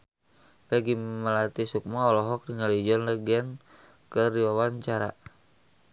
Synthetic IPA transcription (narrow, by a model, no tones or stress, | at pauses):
pɛɡiməlat̪isuk̚maːlɔɦɔk̚diŋalid͡ʒɔnləɡɛn | kəɾiwawaɲt͡ʃaɾa̰